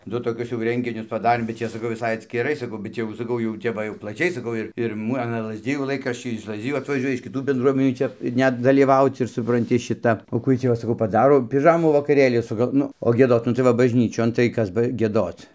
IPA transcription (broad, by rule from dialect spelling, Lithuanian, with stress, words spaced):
ˈdʊ toːˈkʲʊs jɛʊ ˈrʲɛŋʲɡʲɪnʲʊs pɐˈdɑːrʲeːm bʲɛt ˈt͡ʃʲɛ sɐˈkɐʊ ʋʲɪˈsɐɪ ɐtʲsʲkʲɪˈrɐɪ sɐˈkɐʊ bʲɛt ˈjɛʊ sɐˈkɐʊ jɛʊ ˈtʲɛp ʋɐ jɛʊ plˠɐˈt͡ʃʲɛɪ sɐˈkɐʊ ɪr ɪr ˈmʊ ɐˈnɐ lˠɐzʲˈdʲɪjuː ˈlˠɐɪkrɐʃʲt͡ʃʲɛɪ ɪʃ lˠɐzʲˈdʲɪjuː ɐtʋɐˈʒʲuɔjɛ ɪʃ kʲɪˈtuː bʲɛndˈruɔmʲɛnʲuː ˈt͡ʃʲɛ ˈnʲɛt dɐlʲiːˈʋɐʊt͡s ɪr sʊprɐnʲˈtʲɪ ˈʃʲɪtɐ oː ˈkuː ˈjiɛj tʲiː ˈʋɐ sɐˈkɐʊ pɐˈdɑːroː pʲɪˈʒɑːmuː ʋɐkɐˈrʲeːlʲiː sʊˈɡɐlˠ ˈnʊ oː ɡʲiɛˈdoːt nʊ tɐɪ ˈʋɐ bɐʒʲˈnʲiːt͡ʃʲoːn tɐɪ ˈkɐs bɐ ɡʲiɛˈdoːt͡s